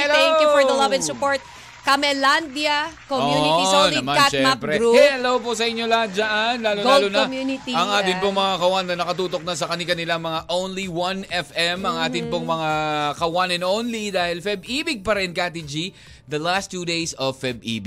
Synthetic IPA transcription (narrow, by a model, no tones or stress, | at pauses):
ɛlɛ̃ŋjufɔðɐlɐvɛ̃nsʊpoɹt̪̚ | kɐmɛland̪jɐkoouniisonɐmaaʃɛmpɾɛɾuhɛɛlowposɐʔɪɲːolad͡ʒaʔɐnlaːlolaːlonmjunɪt̪iɐŋʔaːt̪ɪnpoŋmɐŋakɐwanːɐnɐkɐt̪uːt̪o̞k̚nɐsɐkɐnɪkɐnɪlaŋmɐŋaʔownliwɐnɛfʔɛmʔɐŋʔaːt̪ɪŋpoŋmɐŋakɐwanɛnʔownlid̪aːhɪlfɛbʔiːbɪɡ̚pɐɾɛnkat̪id͡ʒi | d̪ɐlast̪juːd̪ejsɐvfɛb̚ḭːbɪ